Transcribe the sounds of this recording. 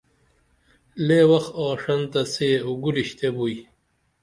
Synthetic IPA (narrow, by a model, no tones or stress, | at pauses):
leːwɐxɔːʂɐnt̪aseuɡuɾiɕt̪ʰebuj